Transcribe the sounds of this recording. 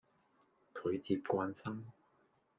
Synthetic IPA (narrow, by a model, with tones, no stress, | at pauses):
kʰɵ˨˧˥ɥt͡siː˧p̚kʷaː˧nsɐ˥m